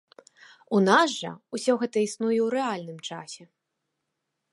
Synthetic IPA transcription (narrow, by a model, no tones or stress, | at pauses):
unaʐʐɐ̰usʲɔɣɛt̪ɐisnujɛwɾɛalʲnɨmt͡ʂasʲɛ